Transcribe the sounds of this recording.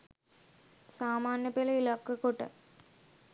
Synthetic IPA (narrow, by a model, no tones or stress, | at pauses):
saːmaːnjɐpelɐilɐkːɨkoʈːɨ̰